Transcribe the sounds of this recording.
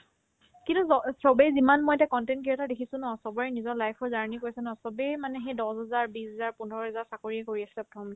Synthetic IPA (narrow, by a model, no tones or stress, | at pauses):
kintuɔsɔbɛjzimanmojtɛkɔntɛntkiɹɔtadekʰisʊ̃nɔsɔbɔɹɛnizɔɹlajkʰɔzaɹanikojsɛnɔsɔbemanɛxejdɔsɦɛzaɹbisɛzaɹpundɔɹɔɦɛzaɹsakoɹiɛkoɹiaslɛpɹɔtʰɔm